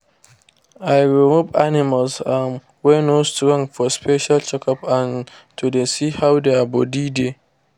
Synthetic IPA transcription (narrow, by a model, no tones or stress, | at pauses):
ʔajɹɛmubanɪmalsam | wɛnostɾɔ̃ŋfɔspʰɛʃalt͡ʃɛkɔpãn | tʰudɛsiːhawdeabɔdide